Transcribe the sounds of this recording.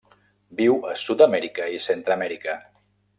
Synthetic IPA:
biwəsut̪əmɛɾikəisent̪ɾəmɛɾikə

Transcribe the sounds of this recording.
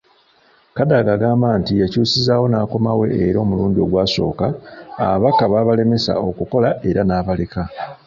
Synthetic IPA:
kadaɡaɡaːmbaːntijacuːsizaːwo̞naːko̞mawe̞̰ːɾo̞ːmuluːndio̞ɡwaːso̞̰ːka̰ːβakaβaːβale̞me̞sa̰o̞kuko̞laʔe̞ɾanaːβale̞ka

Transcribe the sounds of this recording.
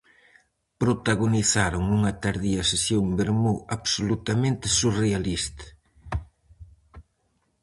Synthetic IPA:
pɾot̪aɣoniθaɾoŋuŋɐt̪aɾðiɐsesjoŋbeɾmuaβsolut̪amẽnt̪ɪsurealist̪ɐ̥

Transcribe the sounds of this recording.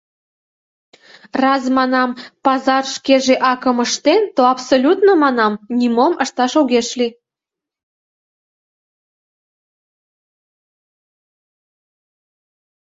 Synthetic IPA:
rɑzmɑnɑmpɑzɑrʃkeʒeʔɑkə̆məʃt̪ent̪oɑpsolʲut̪nomɑnɑmnʲimomʔəʃt̪ɑʃoɣeʃlʲi

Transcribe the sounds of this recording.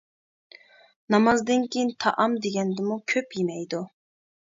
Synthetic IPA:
nɑmɑzd̪ɨnkʲʰejint̪ʰɑ̰ʔɑmd̪eɡʲɛnd̪ɪmukʲʰøpjemɛjd̪u

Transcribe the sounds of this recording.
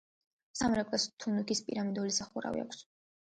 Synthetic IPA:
samɾɛkʼast̪ʰunukʰispʼiɾamind̪ɔlisaχuɾa̰vḭa̰kʰs

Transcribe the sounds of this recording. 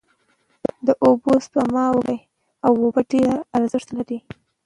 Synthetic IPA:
d̪əʔobospamɑwɡaj | awːobaɖeɾaɾzɪʂt̪laɾi

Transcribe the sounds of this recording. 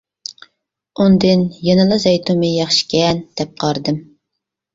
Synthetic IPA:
und̪ɨnjɑnɨlˠɨzɑjt̪ʰumɨjɑχʃi̥kʲɛnd̪̥ɛp̚qʰɑɾd̪ɨm

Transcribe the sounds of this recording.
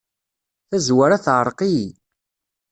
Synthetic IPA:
θæzwaɾaθʕəɾˤqi

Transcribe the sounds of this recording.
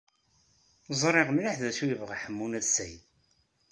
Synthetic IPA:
zˤɾˤeʁmlaħðæʃujəvʁaħəmːunæðsæjd̪

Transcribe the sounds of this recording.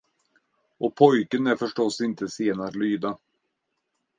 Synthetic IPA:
ɔpʰɔjkənæɾfœʂʈɔsːɪnt̪ʰəseːnaɾlyːd̪a

